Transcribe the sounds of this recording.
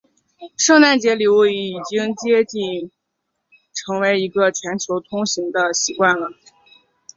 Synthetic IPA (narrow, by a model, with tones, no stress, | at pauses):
ʂɤ˥˧ŋna˥˩nt͡ɕjɛ˧˥li˨˩u˥˩˧ii˨˩t͡ɕi˥ŋt͡ɕjɛ˥t͡ɕi˥˩n | ʈ͡ʂʰɤ˧˥ŋwe˧˥ɪi˧˥ɡə˧t͡ɕʰɥɛ˧˥nt͡ɕʰjo˧˥ʊt̪ʰʊ˥ŋɕi˧˥ŋd̪ə˧ɕi˧˥kwa˥˩nlə˩